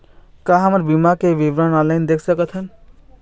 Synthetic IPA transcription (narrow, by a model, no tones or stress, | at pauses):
kaɦəməɾbimakeʋiʋɾənaland̪ekʰsəkət̪ʰɦən